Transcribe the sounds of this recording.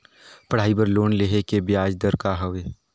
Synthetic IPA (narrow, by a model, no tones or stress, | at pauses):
pɐɽ̤aːibəɾloːnleɦekebjaːd͡ʒd̪əɾkaɦɐʋeː